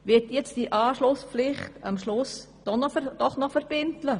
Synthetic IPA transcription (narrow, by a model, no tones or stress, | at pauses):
ʋɪtjɛt͡sd̥iʔɑːʃlʊspp͡flɪχtɑmʃlʊs | d̥ɔnɔd̥ɔχnɔfɛɾb̥ɪntlə